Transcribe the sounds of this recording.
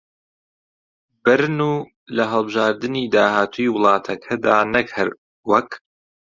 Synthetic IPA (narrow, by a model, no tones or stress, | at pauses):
b̥ɨɾnuː | lɐɦɐlˠbɨʒaːɾd̪ɨniːd̪aːhaːt̪ʰuːiwɨlˠɑːt̪ʰɐkʰɐd̪aːnɐkʰɨɾ | wɐk